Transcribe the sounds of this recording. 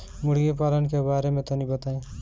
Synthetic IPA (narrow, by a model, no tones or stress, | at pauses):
mʊɽ̤ɡepaːlənkebaːɾemẽt̪onibət̪aẽ